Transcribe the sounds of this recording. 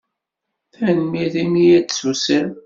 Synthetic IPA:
θænmiðimijæd̪susəɾ

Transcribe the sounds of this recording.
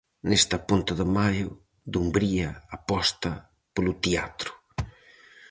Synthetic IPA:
nest̪apunt̪ʊðəmajʊ | d̪umbɾiɐapɔst̪ɐ | polut̪ia̰t̪ɾʊ̥

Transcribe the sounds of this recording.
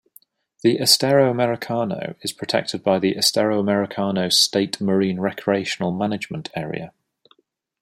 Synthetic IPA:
ðiʔəstɛɹoʊəmɛɹɪkʰɑːno̰ʊɪz̥pʰɹ̥ətʰɛ̰k̚tʰɪd̚baɪðiʔəstɛɹəʊəmɛɹɪkʰɑːnoʊ̥steɪʔməɹĩːnɹɛkʰɹieɪʃənəlˠmanɪd͡ʒmə̃ntʰɛːɹḭə̰

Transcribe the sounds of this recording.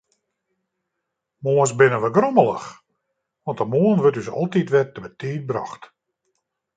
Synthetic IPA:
moəsbɪnəʋəɡroməlˠə̰x | ʋɔntəmoənʋøtys̬ɔ̰lˠtitʋɛtəbətiːt̚bra̰xt

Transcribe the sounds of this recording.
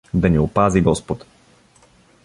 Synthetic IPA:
d̪ɐniopaziɡɔspot̪

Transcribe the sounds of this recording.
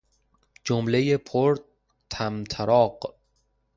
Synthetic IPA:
d͡ʒomlejepʰoɾt̪̚ | t̪ʰæmt̪ʰæɾɒːɢ

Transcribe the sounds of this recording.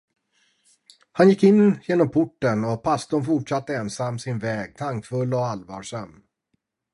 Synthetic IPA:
hanjɪkːɪnːjeːnɔmpʰʊʈːənɔpʰast̪ʊnfʊʈʂat̪ːəɛnsamːsɪnvɛːɡ̚t̪ʰaŋkfɵlːɔalvɑ̰ːʂam

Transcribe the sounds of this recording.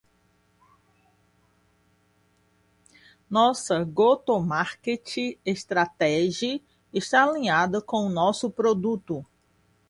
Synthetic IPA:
nɔsɐɡot̪omaɾket͡ʃiest̪ɾat̪ɛʒiɐ | eʃt̪aalĩɲad̪ɐkõʊnɔsʊpɾod̪ut̪ʊ

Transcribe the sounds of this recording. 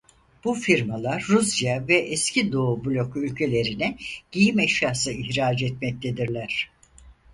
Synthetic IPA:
b̥ufiɾmalˠaɾːusjavɛʔɛscʰid̪o̞ubulʲo̞kylʲcʰe̞lʲe̞ɾinɛɟ̥ijimɛʃjaːsɯiçɾaːd͡ʒɛt̪mɛc̚t̪ʰe̞d̪iɾlʲæɾ̥

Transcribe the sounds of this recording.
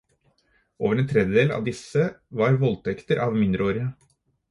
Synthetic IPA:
o̰ːʋəɾɛnt̪ʰɾɛd̪jəd̪eːlɑ̰ːʋd̪ɪsəʋɑɾʋɔlt̪ʰɛkt̪əɾʔɑːʋmɪnd̪ɾʔəoːɾɪə

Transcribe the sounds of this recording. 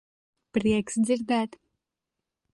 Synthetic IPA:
pɾiɛksd̪ziɾd̪æt̪

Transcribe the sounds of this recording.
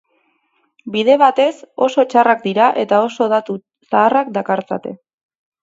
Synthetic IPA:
biðe̞β̞at̪e̞so̞so̞t͡ʃarak̚d̪iɾaʔe̞t̪ao̞so̞ðat̪u | saːrak̚d̪akaɾt͡sa̰t̪e̞

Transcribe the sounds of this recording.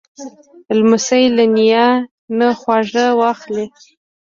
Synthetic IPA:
lmʊsajlanija | nəxwɑʐəwɑxli

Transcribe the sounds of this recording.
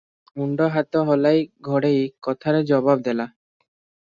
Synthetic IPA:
uɳɖoɦat̪oɦɔlajɡʱɔɽejkɔt̪ʰaɾed͡ʑɔbabd̪ela

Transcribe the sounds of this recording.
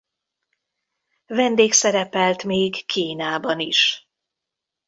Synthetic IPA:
vɛnd̪eːksɛɾɛpɛlt̪meːɡkʰiːnaːbɒniʃ

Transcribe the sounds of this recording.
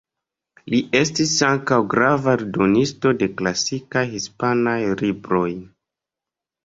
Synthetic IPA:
liʔe̞stisaŋkawɡɾavaɾdonisto̞de̞klasikajhispanajlibɾo̞j

